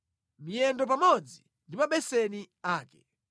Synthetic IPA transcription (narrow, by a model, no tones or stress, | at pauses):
mijɛndɔp̬amɔd͡zi | ndimaɓɛsɛni | aːkɛ̥